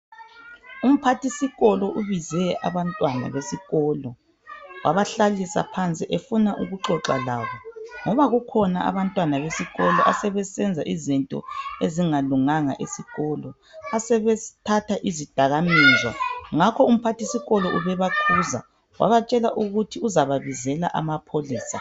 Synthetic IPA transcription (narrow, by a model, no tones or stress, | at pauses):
um̩pʰatisiɣɔlɔʔuβizɛa̰βantʼwana̰βesiɣɔlɔ | wʔaβaɬalisa̰pʰant͡sʼiʔefunaʔuɣuǃɔǁa̰laːβɔŋɔβaɣukʰɔnaʔa̰βantʼwanaβesiɣɔlɔʔa̰sɛβɛsɛnd͡zʱa̰ʔizintʼɔ̰eziŋaluŋaŋa̰ʔesiɣɔlɔ | asɛβɛtʰatʰaʔizid̥ʱaɣamiːzwa̰ŋakʰɔum̩pʰatʰisiɣɔlɔʔuβɛβakʰuːza̰ | wʔa̰βat͡ʃʼɛlaʔuɣutʰiuzaβaβizɛla̰ʔamapʰoliːsa